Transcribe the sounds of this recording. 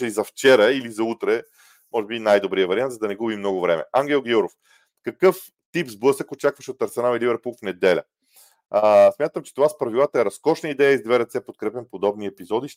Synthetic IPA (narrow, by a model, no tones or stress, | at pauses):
ɛizɐft͡ʃɛɾəilizɐut̪ɾɛ | mɔʒɛbinajd̪obɾiəvɐɾiant̪zəd̪ɐnɛɡubimnɔɡʊvɾɛmɛ̰aŋɡʲɛlˠɡjuɾof | kɐkɤf | t̪ipzblˠɤsəkot͡ʃakvəʃɛot̪ɐɾsɛnalˠilibɛɾpulˠfnɛd̪ɛlʲə̰ | smjat̪əmt͡ʃɛ̥t̪ovaspɾɐvilˠat̪əɛɾɐskɔʃnəid̪ɛjəizd̪vɛɾɛt̪sɛpot̪̚kɾɛpɛmpod̪ɔbniɛpizɔd̪iʃ